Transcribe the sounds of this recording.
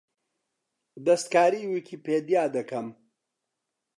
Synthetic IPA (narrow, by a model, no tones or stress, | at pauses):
d̪ɐst̪̚kaːɾiːwikʰiːpʰeːd̪jaːd̪ɐkʰɐm